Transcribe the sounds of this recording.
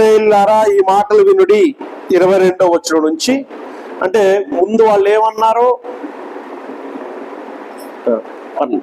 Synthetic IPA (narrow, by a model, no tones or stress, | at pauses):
eːlːaːɾaːiːmaːʈɐluʋinuɽiːɾɐʋɐjɾe̞ɳɖoːʋɐt͡ʃːinɐnuɲt͡ʃi | ɐɳʈe̞ːmund̪uʋaːɭːeːmɐnːaːɾoː | ɐ